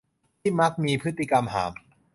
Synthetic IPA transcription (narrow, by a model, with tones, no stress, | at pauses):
t̪ʰiː˥˩ma˦˥k̚miː˧pʰɯ˦˥t̪ːi˧˨ka˧mɦa̰ː˩˦m